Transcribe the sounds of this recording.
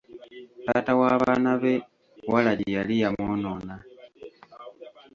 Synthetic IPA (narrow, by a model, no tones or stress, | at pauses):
taːtawaβanaβe̞ | walaɟijalijamonona